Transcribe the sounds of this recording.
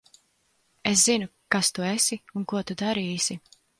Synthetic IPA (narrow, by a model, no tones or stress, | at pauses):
es̬zinukast̪uesiunkuɔt̪ud̪aɾiːsi